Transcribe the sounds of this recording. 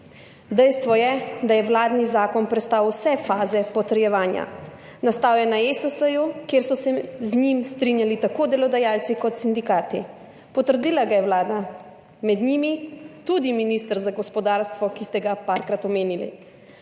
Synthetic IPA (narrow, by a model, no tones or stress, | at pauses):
d̪ɛjst̪ʋɔjɛd̪ajɛwlaːd̪nizaːkɔnpɾɛt̪st̪awsɛfaːzɛpɔt̪əɾjɛʋaːnja̰ | nast̪aːwjanaesəsəjukjeːɾsɔsɛzɲimst̪ɾinjalit̪akoːd̪ɛlɔd̪ajalt̪sikɔt̪sind̪ikaːt̪i | pɔt̪əɾd̪iːlaɡajɛwlaːd̪a | mɛd̪ɲimit̪ud̪iminist̪əɾzaɡɔspɔd̪aːɾst̪ʋɔkist̪ɛɡapaɾkɾat̪ɔmeːnilḭ